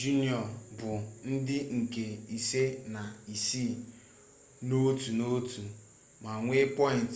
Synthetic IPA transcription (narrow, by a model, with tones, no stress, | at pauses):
d͡ʒu˦ni˨ɔ˨bʊ˨n̩˦dɪ˦ŋ̩˨ke˨i˨se˦na˨i˨siː˦˨ | no˦tu˨no˦tu˨ | ma˨ŋʷe˦pɔ˦ɪ˨n˨t